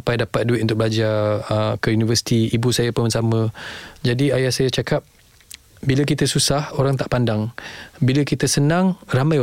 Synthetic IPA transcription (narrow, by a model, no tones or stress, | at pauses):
pajdapat̪̚duɪt̪̚unt̪ʊk̚bəlad͡ʒaəkəjunivəsi̥t̪iibusajapəmənsamə̃d͡ʒadiajahsajat͡ʃakap̚ | biləkit̪əsusahoɾaŋt̪aʔpandaŋbiləkit̪əsənãŋramãj